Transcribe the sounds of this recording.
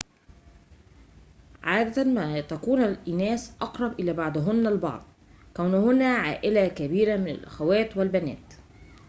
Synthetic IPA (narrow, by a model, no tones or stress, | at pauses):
ʕaːd̪æt̪amæːt̪ækuːnalʔɪnæːsʔɑqɾˤɑbʔɪlæːbɑʕd̪ˤɦʊnːælbɑ̰ʕd̪ˤ | kæwnʊhʊnæʕaːʔɪlækæbiːɾamɪna̰lʔæxæwæːt̪wɪlbænæ̰ːt̪